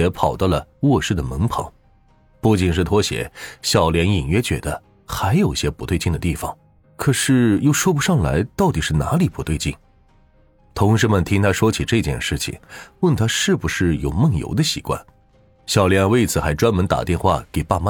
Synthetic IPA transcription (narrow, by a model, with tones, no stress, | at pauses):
ɛ˧˥pʰɑ˨˩ʊt̪ə˥lə˩wɔ˥˧ʂɻ̩˥˩d̪ə˩mə˧˥ŋpʰɑ̰˧˥˦ŋ | pu˥˩t͡ɕi˨˩nʂɻ̩˥˩t̪ʰwɔ˥ɕjɛ̰˨˩˦ɕjɑ˨˩ʊljɛ˧˥ni˨˩ŋɥɛ˥t͡ɕɥɛ̰˧˥d̪ə˧ | xa˧˥ɪjo˨˩ʊi˧ɕjɛ˥pu˧˥we˥˧ɪt͡ɕi˥˩nd̪ə˩t̪i˥˩fɑ̰˨˩ŋ | kʰɤ˨˩ʂɻ̩˥˩jo˥˧ʊʂwɔ˥p̬u˧˥ʂɑ˥˩ŋla̰˧˥ɪt̪ɑ˥˩ʊt̪i˨˩ʂɻ̩˥˩na̰˧˥li˨˩pʰu˧˥t̪we˥˧ɪt͡ɕi˥˩n | t̪ʰʊ˧˥ŋʂ̬ɻ̩˧˥mə˨nt̪ʰi˥ŋt̪ʰa˥ʂwɔ˥t͡ɕʰi˨˩ʈ͡ʂɤ˥˧t͡ɕjɛ̰˥˧nʂɻ̩˥˩t͡ɕʰḭ˨˩ŋwə˥˩nt̪ʰa˥ʂɻ̩˥˩bu˩ʂɻ̩˥˩jo˨˩ʊmɤ˥˩ŋjo̰˧˥d̪ə˧ɕi˧˥kwa̰˥˩n | ɕjɑ˨˩ʊljɛ˧˥nwe˥˩ɪt͡sʰɹ̩˨˩xa˧˥ɪʈ͡ʂwa˥nmə˧˥nt̪a̰˨˩t̪jɛ˥˧nxwa̰˥˩ke˨˩ɪpa˥˧ma˥